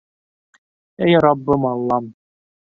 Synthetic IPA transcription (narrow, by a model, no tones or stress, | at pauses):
æjɑɾɑbːɤmɑlˠːɑm